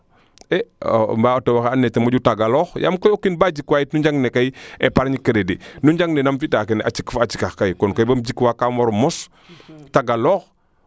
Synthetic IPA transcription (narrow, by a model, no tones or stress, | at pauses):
ɛ̰mbatewaxanːɛtemɐɟutaɡalɔxja̰mkojokːinbaɟikwaːjitnuɲd͡ʒaŋnekajepaɾɲikəɾedinuɲɟaŋnenamfitakenʔat͡ʃikfat͡ʃikaxkajkɔnkojbɐmd͡ʒikwakamoɾmɔs | taɡalɔːx